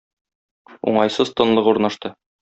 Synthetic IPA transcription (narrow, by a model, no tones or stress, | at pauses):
ṵɴɑjsɤzt̪ɤ̆nlˠɤquɾnɑʃt̪ɤ